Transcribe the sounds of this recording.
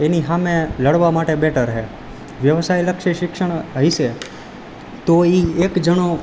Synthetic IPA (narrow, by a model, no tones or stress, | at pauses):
eniɦamẽləɽʋamaʈebeʈʰəɾɦe | ʋjəʋsajləkʃiʃɪkʃəɳ̃ɦəɦiʃe | t̪oiekd͡ʒəno